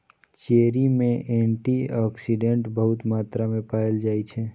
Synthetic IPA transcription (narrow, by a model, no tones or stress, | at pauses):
t͡ʃeːɾimẽʔẽɳʈiɔːksiɖẽɳʈbəɦʊt̪maːt̪ɾamẽpaːəld͡ʒaːit͡ʃʰe